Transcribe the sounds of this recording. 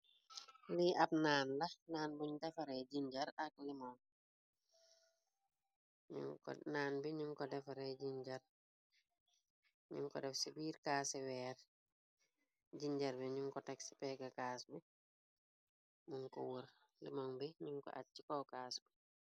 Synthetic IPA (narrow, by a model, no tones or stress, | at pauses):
liab̚naːnlɐnaːnbuɲdɛfɐɾɛd͡ʒiɲɟɐɾɐk̚limɔŋ | naːnbiɲuŋkɔdɛfɐɾɛɟiɲd͡ʒɐr | ɲṵŋkɔ̰dɛfsibiːɾkaːsɛwɛːɾ | ɟiɲd͡ʒɐɾbiɲuŋkɔtɛksi̥pɛɡɐkaːsbi | muŋkɔ̰wuɾ | lḭmɔŋbiɲuŋkɔ̰ʔa̰t̚t͡ʃikɔwkaːsbi